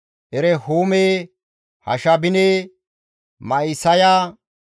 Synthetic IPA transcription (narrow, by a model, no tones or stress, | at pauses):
ʔɛɾɛhoːmeː | hɐ̰ʃɐbɪneː | mɐisɐjaː